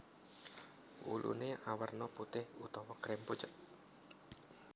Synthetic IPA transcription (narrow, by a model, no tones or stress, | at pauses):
wṵlʔṵneʔawərnɔput̪ɪhut̪ɔwɔkɾɪmput͡ʃət̪̚